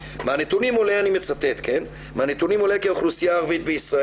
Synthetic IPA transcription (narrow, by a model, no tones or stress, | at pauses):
manet̪unimo̞leanimet͡sat̪e̞t̪kʰe̞n | manet̪unimo̞lekeoχlusijaːʁvit̪̚beisʁa